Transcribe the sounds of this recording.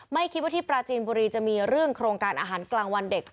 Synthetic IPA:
ma˥˩jkʰi˦t̪̚waː˥˩i˥˩pɾaː˧t͡ɕiː˧nbuː˧ɾiː˧t͡ɕa˨˩ʔmiː˧ɾɯ˥˩əŋkʰɾoː˧ŋkaː˧nʔaː˧ɦaː˩˦nklaː˧ŋwa˧nde˨˩k̚

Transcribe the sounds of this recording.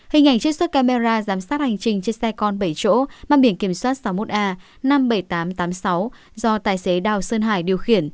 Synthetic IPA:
hï˨˩ŋ̟ʔa˧˩jŋt͡ɕɨ˦˥k̚sə˦˥t̚kaː˧me˧zaː˧zaː˨˦msaː˦˥t̚ha˨˩jŋ̟t͡ɕï˨˩ŋ̟t͡ɕe˧nsɛ˧kɔ˧nɓə˧˩jt͡ɕo̰˧˥maː˨ɓi˧˩ənki˧˩əmswaː˦˥t̚sa˨˦wmo˦˥t̚ʔaː˧ | na˧mɓə˧˩jt̪aː˨˦mt̪aː˨˦msa˨˦w | zɔ˧t̪aː˧˩jse˨˦ɗaː˨˩wsəː˧nɦa̰ː˧˩jɗi˨˩əwxi˧˩ən

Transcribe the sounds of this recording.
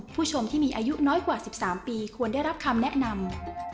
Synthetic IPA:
pʰuː˥˩t͡ɕʰo˧mt̪ʰiː˥˩miː˧ʔaː˧ju˦˥nɔː˦˥jkwaː˨˩si˨˩p̚saː˩˦mpiː˧kʰu˧ənda˥˩jɾa˦˥p̚kʰa˧mnɛ˦˥ʔna˧m

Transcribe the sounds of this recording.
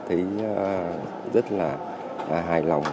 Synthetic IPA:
t̪ʰi˨˦˩ | zə˦˥t̚laː˨˩˨ | ɦaː˧˩jla˨˩wŋ͡m

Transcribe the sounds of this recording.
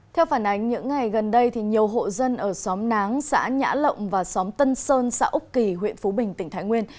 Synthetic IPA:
t̪ʰɛ˧wfaː˧˩nʔa˨˦jŋ̟ɲɨ̰˧˥ŋːa˨˩jɣə˨˩nɗə˧jt̪ʰi˨˩ɲi˨˩əwɦo̰˧˨zə˧nʔəː˧˩sɔ˨˦mna˨˦ŋsa̰ː˧˥ɲa̰ː˧˥lə̰˧˨wŋ͡mvaː˨˩sɔ˨˦mt̪ə˧nsəː˧nsa̰ː˧˥ʔʊ˦˥k͡p̚ki˨˩ɦwḭ˧˨ənfu˨˦ɓï˨˩ŋ̟t̪ï˧˩tʰaː˨˦jŋwi˧ən

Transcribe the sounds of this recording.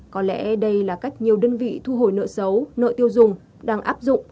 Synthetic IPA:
kɔ˨˦lɛ̰˧˥ɗə˧jlaː˨˩ka˦˥jk̟̚ɲi˨˩əwɗəː˧nvḭ˧˨t̪ʰu˧ɦo˧˩jnə̰ː˧˨sə˨˦wnə̰ː˧˨t̪i˧əwzʊ˨˩ŋ͡m | ɗaː˧ŋʔaː˦˥p̚zʊ̰˧˨ŋ͡m

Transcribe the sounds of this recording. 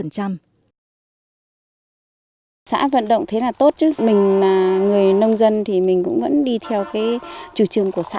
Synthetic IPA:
ə˨˩nt͡ɕa˧m | sa̰ː˧˥və̰˧˨nɗə̰˧˨wŋ͡mt̪ʰe˨˦laː˨˩t̪o˦˥t̚t͡ɕɨ˦˥mï˨˩ŋ̟laː˨˩ŋɨ˨˩əjnə˧wŋ͡mzə˧nt̪ʰi˨˩mï˨˩ŋ̟kʊ̰˧˥ŋ͡mvə̰˧˥nɗi˧t̪ʰɛ˧wkaː˨˦jt͡ɕu˧˩t͡ɕɨ˨˩əŋku˧˩əsa̰ː˧˥

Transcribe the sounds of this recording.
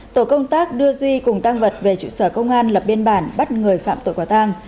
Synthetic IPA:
t̪o˧˩kə˧wŋ͡mt̪aː˦˥k̚ɗɨ˧əzwi˧kʊ˨˩ŋ͡mt̪a˧ŋvə˨˩t̚ve˨˩t͡ɕṵ˧˨səː˧˩kə˧wŋ͡mʔaː˧nlə˨˩p̚ɓi˧ənɓaː˧˩nɓa˦˥t̚ŋɨ˨˩əjfa̰ː˧˨mt̪o̰˧˨jkwaː˧˩t̪a˧ŋ

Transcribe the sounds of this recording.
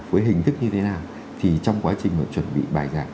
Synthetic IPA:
vəː˨˦jɦï˨˩ŋ̟t̪ʰɨ˦˥k̚ɲɨ˧t̪ʰe˨˦naː˨˩w | t̪ʰi˨˩t͡ɕɔ˧wŋ͡mkwaː˨˦t͡ɕï˨˩ŋlə̰ː˧˨˩t͡ɕwə˧˩nɓḭ˧˨ɓaː˨˩jzaː˧˩

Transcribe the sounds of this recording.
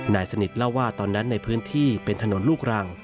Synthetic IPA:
naː˧˩jsa˧ni˨˩t̪̚la˥˩wːaː˥˩t̪ɔː˧nːa˦˥nːa˧jpʰɯː˦˥nt̪ʰiː˥˩pe˧nt̪ʰa˧no˨˩˦nluː˥˩k̚ɾaː˧ŋ

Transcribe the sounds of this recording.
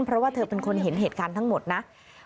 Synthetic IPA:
npʰɾɔ˦˥waː˥˩t̪ʰɤː˧pe˧nkʰo˧nɦe˩˦nɦeː˨˩t̪̚kaː˧nt̪ʰa˦˥ŋmo˨˩t̪̚na˦˥ʔ

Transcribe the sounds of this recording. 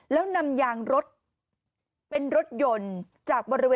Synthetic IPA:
lɛː˦˥wna˧mjaː˧ŋɾo˦˥t̪̚ | pe˧nɾo˦˥t̪̚jo˧n | t͡ɕaː˨˩k̚bɔː˧ɾi˦weː˧

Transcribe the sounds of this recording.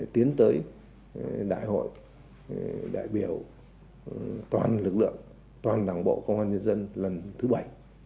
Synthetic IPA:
t̪i˨˦ənt̪əː˨˦j | ɗa̰ː˧˨jho̰˧˨j | ɗa̰ː˧˨jɓi˧˩əw | t̪waː˨˩nlɨ˨˩k̚lɨ̰˧˨əŋ | t̪waː˨˩nɗaː˨˧˩ŋɓo̰˧˨kə˧wŋ͡mhwaː˧nɲə˧nzə˧nlə˨˩nt̪ʰɨ˨˦ɓa˧˩j

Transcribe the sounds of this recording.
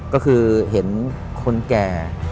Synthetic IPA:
kɔː˥˩kʰɯː˧ɦe˩˦n | kʰo˧nkɛː˨˧˩

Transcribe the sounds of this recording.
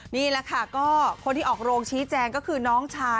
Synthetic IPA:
niː˥˩lɛ˦˥kʰa˥˩kɔː˥˩kʰo˧nt̪ʰi˥ʔɔː˨˩k̚ɾoː˧ŋt͡ɕʰiː˦˥t͡ɕɛː˧ŋkɔː˥˩kʰɯː˧nɔː˦˥ŋt͡ɕʰaː˧

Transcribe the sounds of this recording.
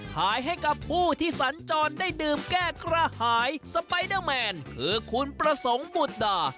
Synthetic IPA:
kʰaː˨˦jɦa˥˩jka˨˦pʰːuː˥˩t̪ʰiː˥˩sa˨˩˦nt͡ɕɔː˧ndaː˥˩jdɯː˧mkɛː˥˩kɾa˧haː˨˩˦jsa˧pa˧jdəː˥˩mɛː˧nkʰɯː˧kʰu˧npɾa˧so˩˦ŋbu˨˩t̪̚daː˨˩

